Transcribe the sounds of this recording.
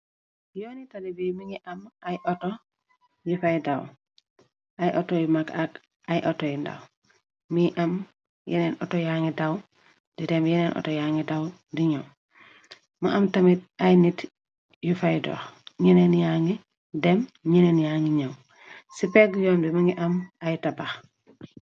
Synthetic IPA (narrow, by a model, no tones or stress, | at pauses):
jonitadibimiŋɡiʔamajʔoto | jufajdaw | ajʔotojumakak | ajʔotojinda̰w | miʔam | jḭnenʔo̰tojaŋidaw | d̥idemjinenʔo̰tojaŋɡidaw | diɲow | maʔamtamit̚ajnit | jufajdo̰ːxɲinenjaŋɡi | demɲinenjaŋiɲaw | sipeɡjoːnbimaŋɡiʔamajtabax